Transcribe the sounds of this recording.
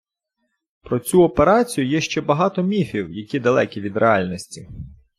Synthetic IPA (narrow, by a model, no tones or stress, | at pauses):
pɾɔt͡sʲuɔpeɾɑt͡sʲijʊjɛʃt͡ʃɛbɐɦɑt̪ɔmʲifʲiwjɐkʲid̪ɐlˠɛkʲiʋʲid̪ɾʔeɑlʲnɔsʲtʲi